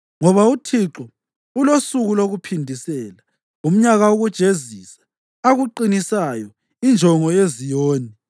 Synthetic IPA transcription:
ŋɔβautʰiǁɔ | ulosuɣuloɣupʰindʱisɛːla | um̩ɲaɣaoɣud̥ʒ̥ʱeziːsḁː | ɣuǃinisajɔ | ind͡ʒʱɔŋɔezijoːni

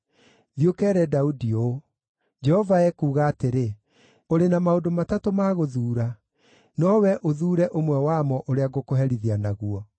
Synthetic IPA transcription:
ðjokɛːɾɛdaudio | d͡ʒɛhɔvaɛkuːɣaːteɾe | oɾenamaodomatatomaːɣoðuːɾa | nɔwɛʔoðuːɾɛʔomwɛwamɔʔoɾeaɣokoɦɛɾiðianaɣuɔ

